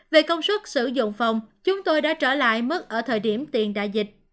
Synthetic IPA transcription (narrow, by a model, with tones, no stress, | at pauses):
ve˨˩kə˧wŋ͡mswə˦˥t̚sɨ̰˧˩zʊ̰˧˨ŋ͡mfa˨˩wŋ͡mt͡ɕʊ˨˦ŋ͡mt̪o˧jɗa̰ː˧˥t͡ɕəː˧˩la̰ː˧˨jmɨ˦˥k̚ʔəː˧˩t̪ʰəː˨˩jɗi˧˩əmt̪i˨˩ənɗa̰ː˧˨jzï˨˩k̚